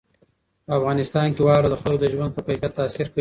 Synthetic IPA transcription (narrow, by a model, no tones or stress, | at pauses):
pəafɣɑnɪst̪ɑnkewɑɽod̪əxalod̪əʒwand̪̚pəpajfjat̪ːaːsɪɾkə